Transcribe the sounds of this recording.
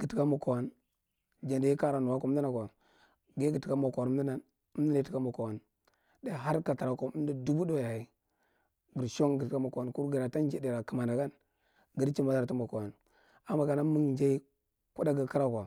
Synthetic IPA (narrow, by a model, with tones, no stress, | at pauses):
ɡi˨ti˨ka˦mu˨ko˨wa˦n | d͡ʒa˨ndi˨ji˦ka˦ɾa˨nu˨wa˦ko˦di˦na˨kʷa˨ | ɡe˦ɡi˨ti˨ka˦mo˨kʷɾi˦na˨n˦ | di˦na˨˦ti˦ka˦mo˨ko˨wa˨n | da˦˨ɦa˦ɾka˨ta˨ɾa˨ko˨˦di˦du˦bu˦do˦ja˨ji˦ | ɡi˨ɾʃo˦ŋɡə˨tka˦mo˨ko˨wa˨n˦ku˦ɾɡi˨ɾa˨ta˦n˦d͡ʒi˦˨di˨ɾa˨ki˨ma˨na˨ɡa˦n | ɡi˨ɾt͡ʃi˦ma˨da˨tu˦mo˨ko˨a˨n | a˨˦ma˨ka˨na˦mu˦ŋ˨d͡ʒa˦i˦ | ku˦da˦ɡə˨ki˦ɾa˦kʷa˨